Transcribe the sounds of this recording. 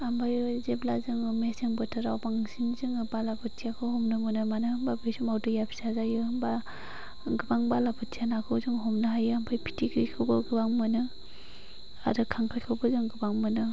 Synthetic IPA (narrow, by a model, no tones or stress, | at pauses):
ambajzeblazɯŋɯmeseŋbɯtʰɯɾawbaŋsinzɯŋɯbalabʰɯtʰijakʰɯhɔmnɯmɯnɯmanɯhɯmbabesumawdɯjapʰi̥sazajɯɯmba | ɡɯbaŋbalabʰɯttʰijanakʰɯwzɯŋɦɔmnɯɦajɯambʰajpʰi̥tʰiɡɾikʰɯwbɯɡɯbaŋmɯnɯ | a̰dɯkʰaŋkʰakʰɯwbɯzɯŋɡɯbaŋmɯnɯ